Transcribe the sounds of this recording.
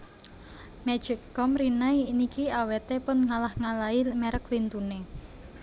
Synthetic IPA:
mɛ̥d͡ʒ̥ɪkːɔmɾinainikiawet̪epʊnŋalahŋalaimɛɾəklint̪une

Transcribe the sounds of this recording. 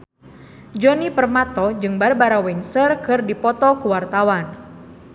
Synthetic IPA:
d͡ʒɔnipərmat̪ɔd͡ʒɨŋbarbaɾawɛnsərkɨrdipɔt̪ɔkuwart̪awan

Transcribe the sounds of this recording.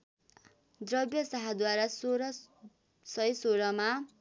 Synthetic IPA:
d̪rʌbjʌsaɦad̪waɾasoɾʌ | sʌjsoɾʌma

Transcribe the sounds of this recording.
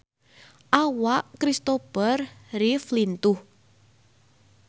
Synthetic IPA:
ʔawaʔkɾist̪opərriflint̪ʊh

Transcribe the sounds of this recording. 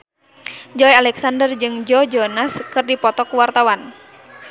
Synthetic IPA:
d͡ʒɔjalɛksandərd͡ʒɨŋd͡ʒɔd͡ʒɔnaskɨrdipɔt̪ɔkuwart̪awan

